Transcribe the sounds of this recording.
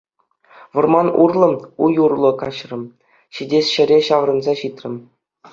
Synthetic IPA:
ʋɤ̆rmɑnurlˠɤ̆ujurlˠɤ̆kɑɕrɤ̆m | ɕidʲesʲɕɘ̆ɾʲeɕɑʋrɤ̆nzɑɕit̪ʲrʲɘ̆m

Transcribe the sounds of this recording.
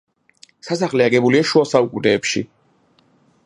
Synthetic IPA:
sasaχlɛaɡɛbuliaʃuasaukʼunɛːpʃḭ

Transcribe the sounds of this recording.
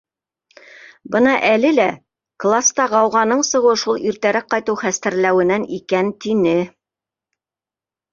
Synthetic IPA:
bɤnɑʔælɘlæ | klˠast̪ɑʁɑwʁɑnɤɴsɤ̆ʁɤʃulˠiɾt̪æɾæk̚qːɑjt̪ɤwχæst̪æɾlæwɘ̆nænikænt̪inɘ

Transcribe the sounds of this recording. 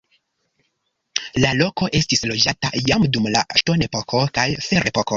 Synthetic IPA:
lalo̞ko̞ʔe̞stislo̞d͡ʒata̰jamdumla̰ʃto̞ne̞po̞ko̞kajfeɾe̞poko

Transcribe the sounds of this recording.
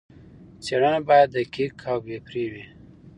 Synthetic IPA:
t͡seɽənabɑjad̪ːəkikʰawbepɾewi

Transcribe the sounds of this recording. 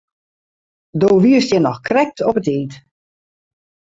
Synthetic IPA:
doːʋiəstjɛnɔxkrɛk̚tʰɔpətiːt

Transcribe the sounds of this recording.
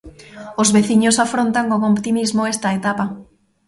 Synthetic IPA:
ozβeθiɲʊsafɾont̪aŋkoŋopt̪imizmoest̪ɐet̪apa

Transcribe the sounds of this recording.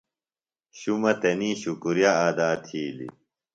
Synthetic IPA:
ɕumɐt̪ɐniːɕukuɾjaaːd̪aːt̪ʰiːlḭ

